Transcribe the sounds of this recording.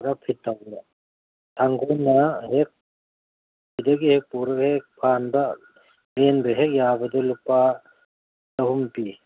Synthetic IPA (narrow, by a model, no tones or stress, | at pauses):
ɾapʰitːawlɐ | tʰaŋɡojnɐɦek̚ | bʰidɐɡihek̚puɾɐhek̚pʰanbɐ | lenbɐɦek̚jabɐdɐlupa | tɐɦumpi